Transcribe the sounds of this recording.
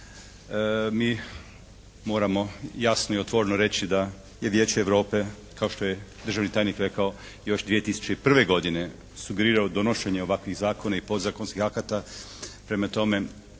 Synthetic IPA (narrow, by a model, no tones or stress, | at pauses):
miː | mo̞ːɾamo̞jasnoiot̪ʋo̞ɾenoɾe̞t͡ɕid̪a | je̞ʋjeːt͡ɕeːʋɾo̞ːpe̞ | kao̞ʃt̪o̞je̞d̪r̩ʒaʋnit̪aːjnikɾe̞kao̞ | jo̞ʃd̪ʋie̞t̪isu̥t͡ʃeipr̩ʋe̞ɡo̞d̪ine̞ | suɡeɾiːɾaod̪o̞noʃe̞ɲeo̞ʋakʋiɣzaːko̞naipo̞d̪zakonskixakat̪a | pɾe̞mat̪o̞me̞